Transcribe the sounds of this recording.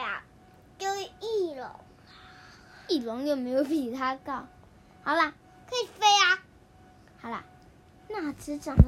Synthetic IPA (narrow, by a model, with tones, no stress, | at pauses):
a̰˨ | jo˥˧˥ʊ˨˩i˥˩lʊ̰˧˥˦ŋ | i˥˩lʊ˨˧˥ŋjo˨˩ʊme˧˥ɪjo˧˩ʊpi˨˩t̪ʰa˥kɑ˥˩ʊ | hɑ˨˩ʊla˦˩ | kʰə˧˥i˨˩fe˥ɪa˧ | xɑ˨˩˦la̰˧˦ | na˥˩ʈ͡ʂɹ̩˥ʈ͡ʂɑ˨˩ŋ